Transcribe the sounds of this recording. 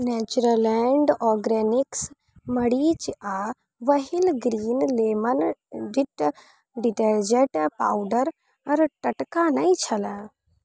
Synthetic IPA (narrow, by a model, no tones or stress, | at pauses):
net͡ʃuɾəlɛɳɖɔːɡɾeːniks | mɐɽiːt͡ʃa | ʋɐɦilɡɾiːnleːməndiʈ | ɖiʈeːɾd͡ʒeʈpaːwɖəɾ | ɐɾʈɐʈkaːnɐĩt͡ʃʰɐlə̃ː